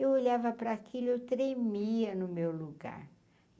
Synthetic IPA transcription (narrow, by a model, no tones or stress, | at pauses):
ewoʎavɐpɾɐːkʰilʊewt̪ɾemiɐnʊmewluɡa̰ɾ